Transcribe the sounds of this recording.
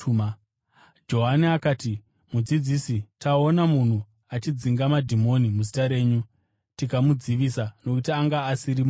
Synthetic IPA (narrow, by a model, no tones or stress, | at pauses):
ma | d͡ʒo̞ɦaniakaːti | mud͡zid͡zisitʰao̞namun̤u | at͡ʃid͡ziŋɡamadʱimo̞nimuzitaɾe̞ːɲu | tikamud͡ziʋiːsano̞kutiaŋɡaːsirim